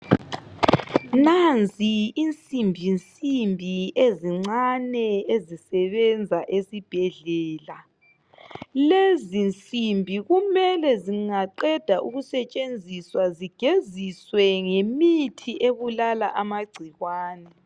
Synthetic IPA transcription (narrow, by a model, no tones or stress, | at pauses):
nant͡siint͡sʼimbʱint͡sʼimbʱieziŋ͡ǀanɛezisɛβɛnd͡zʱaʔesib̥ʱɛɮɛːla | lezint͡sʼimbʱiɣumɛlɛziŋaǃɛd̥ʱaʔuɣusɛt͡ʃʼend͡zʱiswaziɡ̥ʱeziswɛŋemitʰiʔeβulalaʔamaɡ͡ǀʱiɣwaːnɛ